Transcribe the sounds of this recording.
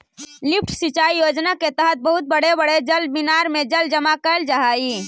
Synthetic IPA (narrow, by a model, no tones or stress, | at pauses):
lip̚ʰʈʰsit͡ʃaijod͡ʒnaket̪əɦət̪̚bəɦut̪̚bəɽebəɽed͡ʒəlbinaɾmed͡ʒəld͡ʒəmakəld͡ʒaɦai